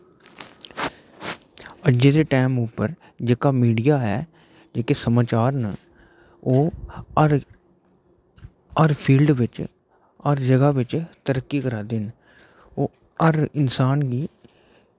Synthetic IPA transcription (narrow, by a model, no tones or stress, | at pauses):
əd͡ʒẽːd̪eːʈɛːmuːpːəɾ | d͡ʒeːkaːmiːɖijaːɦɛː | d͡ʒeːkesəmaːt͡ʃaːɾnə | oːɾ | əɾpʰiːlɖʋɪt͡ʃ | əɾd͡ʒəɡaːʋɪt͡ʃt̪əɾəkːiːkəɾaːd̪ɪn | oː | əɾɪnsaːnɡiː